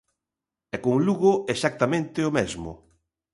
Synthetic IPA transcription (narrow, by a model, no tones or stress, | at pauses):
ɛkoŋluɣʊesak̚t̪amẽnt̪ɪomezmʊ̰